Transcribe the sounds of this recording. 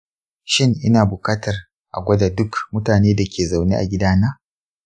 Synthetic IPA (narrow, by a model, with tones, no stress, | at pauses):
ʃɪ˦ŋʔɪ˦naː˨bʊ˨kaː˦tʰɐ˨r | ʔa̰˨ɡʷɐ˦da˨dʊ˦kmʊ˦taː˨neː˦da˨kʲʰeː˨za˨wnḛː˦ʔa̰˨ɡʲɪ˦daː˦naː˦